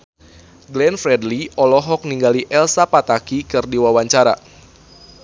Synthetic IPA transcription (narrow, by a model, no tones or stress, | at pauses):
ɡlɛnfɾɛdliɔlɔɦɔk̚niŋɡaliʔɛlsapat̪akikɨrdiwawaɲt͡ʃaɾa̰